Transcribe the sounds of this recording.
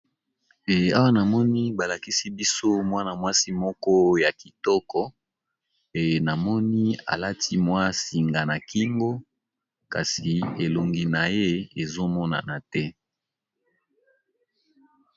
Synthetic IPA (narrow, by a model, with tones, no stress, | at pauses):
e˨a˦wa˦na˨mɔ˦ni˦ba˨la˨ki˦si˦bi˦so˦mwa˦na˨mwa˦si˦mɔ˦kɔ˦ja˨ki˨tɔ˦kɔ˦ | e˨na˨mɔ˦ni˦a̰˨la˦ti˦mwa˦si˨ŋɡa˨na˨ki˦ŋɡo˦ | ka̰˨si˨e˨lo˨ŋɡi˨na˨je˦e˨zo˦mɔ˦na̰˨na˨tɛ˦